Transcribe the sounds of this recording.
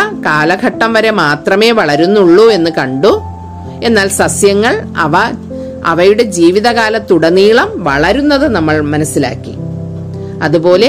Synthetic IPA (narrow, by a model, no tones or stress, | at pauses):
ɐkaːlɐɡʱɐʈːɐmʋɐɾe̞maːt̪rɐme̞ːʋɐɭɐɾunːuɭːue̞nːɨkɐɳɖu | e̞nːaːlsɐsjɐŋːɐɭɐʋɐ | ɐ̰ʋɐjuɽe̞d͡ʑiːʋiðɐɣaːlɐt̪ːuɽɐniːɭɐmʋɐɭɐɾunːɐðɨnɐmːɐɭmɐnɐsːila̰ːkːi | ɐðubo̞ːle